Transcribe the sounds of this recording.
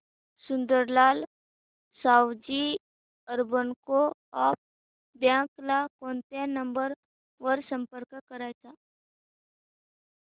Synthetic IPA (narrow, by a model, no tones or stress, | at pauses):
sʊ̃nd̪əɾlaːl | saːwd͡ʒi | əɾbənko | aːp̚ | bjãːklakoːnt̪enə̃mbəɾ | ʋəɾsə̃mpəɾkkəɾat͡ʃaː